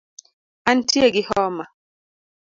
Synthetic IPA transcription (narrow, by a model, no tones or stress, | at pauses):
antieɡihɔːma